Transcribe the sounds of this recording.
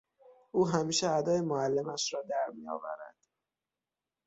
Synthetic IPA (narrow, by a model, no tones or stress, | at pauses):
ʔuːɦæmiːʃeæd̪ɒːjemoælːemæʃɾɒːd̪æɾmijɒ̰ːvæ̰ɾæ̰d̪̥